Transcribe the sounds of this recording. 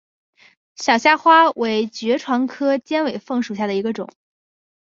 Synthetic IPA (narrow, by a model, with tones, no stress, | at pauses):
ɕjɑ˨˩ʊɕja˥˧xwa˥we˧˥ɪt͡ɕɥɛ˧˥ʈ͡ʂʰwɑ˧˥ŋkʰɤ˥t͡ɕjɛ˥nwe˨˩ɪfɤ˥˩ŋʂu˨˩ɕja˥˩d̪ə˩i˧˥ɡə˧ʈ͡ʂʊ̰˨˩˦ŋ